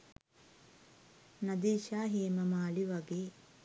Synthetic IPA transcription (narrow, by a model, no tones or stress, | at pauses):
nɐd̪iːʃaːɦeːmɐmaːliʋɐɡeː